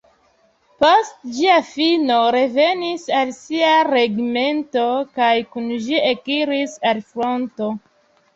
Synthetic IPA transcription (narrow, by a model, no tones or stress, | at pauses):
postd͡ʒiafino̞ɾe̞ve̞nisalsiaɾeɡme̞nto̞kajkunʒiekiɾisalfɾo̞nto̞